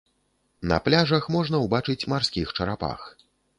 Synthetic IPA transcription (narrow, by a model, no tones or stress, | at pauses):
nɐ̰plʲaʐɐxmɔʐnɐwbat͡ʂɨt͡sʲmarsʲkʲixt͡ʂɐɾapa̰x